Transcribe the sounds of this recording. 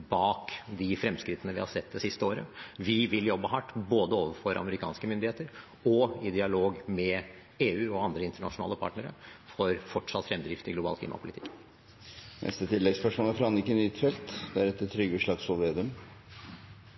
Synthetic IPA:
bɑːkd̪ɪfɾɛmskɾɪt̪ːənəʋɪ̰hɑ̰ɾsɛt̪̚ːd̪ɛsɪst̪əoːɾə̰ʋɪʋɪljɔbːəɦɑʈːboːd̪əoːʋəfɔɾʔɑ̰məɾɪkʰɑ̰ːnskəmʏnd̪ɪheːt̪əɾ | ɔɪd̪ɪɑloːɡmɛ | eːʉːɔɑnd̪ɾəɪnt̪əɳɑ̰ʂʊnɑ̰ːləpʰɑ̰ːʈɳəɾə̰fɔɾfɔʈʂɑt̪fɾɛmd̪ɾɪft̪ɪɡlʊbɑ̰ːlkʰliːmɑ̰pʰʊlɪt̪ʰɪ̥kː | nɛ̰st̪ət̪ʰɪlːɛɡspœʂmoːnəfɾɑnɪkːənyt̪fɛlt̪d̪æɾɛt̪ːt̪ʰːɾʏɡəʂlɑɡsɔlʋeːd̪ʉm

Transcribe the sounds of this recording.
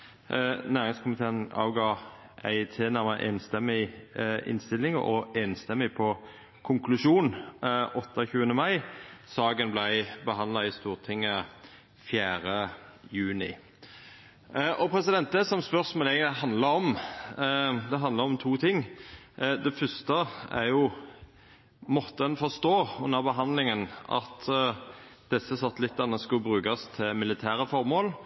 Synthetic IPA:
næːʁɪŋskʰʊmɪt̪ʰeːənɑ̰ːʋɡɑ | ʔæ̰ɪt̪ʰeːnæʁməʔḛːnst̪ɛmːɪ | ɪ̰nst̪ɪlːɪŋ̰ʔɔeːnst̪ɛmːɪpʰɔ | kʰʊŋkʰlʉʂuːnʔɔt̪ːəçʉːənəmɑɪsɑːɡənblæɪbəɦɑnd̪lɑɪst̪uːʁt̪ʰɪŋːə | fjæːʁəjʉːnɪ̰ | ʔɔpʰɾɛsɪd̪ɛnt̪əsɔmspœʁsmɛlɛːɡəɪɦɑnd̪lɑɾɔm | d̪ɛɦɑnd̪ləɾɔmt̪ʰuːt̪ʰɪŋː | d̪ɛfœst̪əæ̰ʁjʊ | mɔt̪ːəɛnfɔʁst̪oːʉnːəʁbəɦɑnd̪lɪŋənʔɑ̰t̪ | d̪̥ɛsːəsɑt̪ːlɪt̪ːɑnəskʉlbɾʉːkɑst̪ʰɪmɪlɪt̪ʰæːɾəfɔɾmoːl

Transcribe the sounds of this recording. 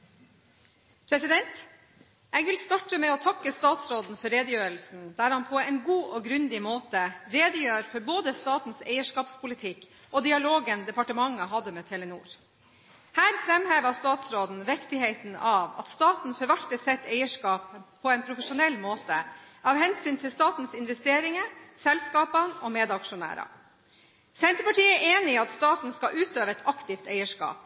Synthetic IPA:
pʰɾɛsɪd̪ɛnt̪ | ɛɡʋɪlst̪ɑʈəmɛɔt̪ʰɑkːəst̪ɑːt̪sɾoːd̪n̩fɔɾeːd̪əjøːɾəl̩sn̩d̪æɾhɑnpʰɔɛɪnɡuːʔɔɡɾʉnd̪ɪmoːt̪əɾeːd̪əjøːɾfɔɾboːd̪əst̪ɑːt̪n̩sḛɪəʂkɑːpspʰʊlɪt̪ʰɪkː | ʔɔd̪ɪɑloːɡənd̪ɛpɑʈəmɑŋːəɦɑd̪ːəmɛːt̪ʰɛlənṵːɾ | hæːɾfɾɛmheːʋəst̪ɑːt̪sɾoːd̪n̩ʋɛkt̪ɪheɪt̪n̩ɑʋɑ̰t̪st̪ɑːt̪n̩fɔɾʋɑʈʈəsɛt̪ːeɪəʂkɑːpʰː | ɔɛɪnpʰɾʊfəʂʊnɛlːmoːt̪ə̰ | ɑʋhɛnsyːnt̪ʰɪlst̪ɑːt̪n̩sɪnʋɛst̪eːɾɪŋəsɛlskɑːpənɔmeːd̪ɑkʂʊnæ̰ːɾɑ̰ | sɛnt̪ɾəpɑʈiːɛʔeːnɪɑt̪st̪ɑːt̪n̩skɑʔʉːt̪øːʋəɛt̪ʰɑkt̪ɪft̪æɪəʂkɑ̰ːp̚

